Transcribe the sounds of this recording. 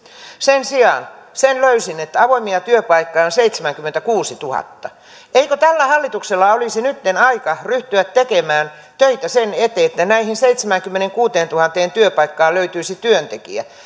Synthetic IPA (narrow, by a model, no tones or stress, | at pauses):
sensiɑ̰nsenløysinet̪ːæɑʋoimiɑt̪yøpɑikːɑjonseit̪semæŋkymːent̪ækuːsit̪uhɑ̰t̪ːɑ | ʔeikøt̪ælːæhɑlːit̪ukselːɑolisinyt̪ːenɑikɑryht̪yʋæt̪tekemæːn | t̪øit̪æsenet̪eːet̪ːænæihinseit̪semæŋkymːeneŋkuːt̪eːnt̪uhɑnt̪eːnt̪yøpɑikːɑːløyt̪yisit̪yønt̪ekḭæ̰